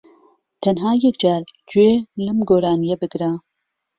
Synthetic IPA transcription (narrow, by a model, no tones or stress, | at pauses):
t̪ʰɐnɦaːjɛkd͡ʒɑːɾd͡ʒuelɨmɡoːɾaːnijebɨɡɾa